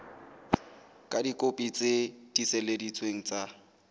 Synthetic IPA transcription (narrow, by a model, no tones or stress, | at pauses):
kʼadikʼopʼit͡sʼed̥isɛledit͡sʰʼweŋ̩t͡sʼa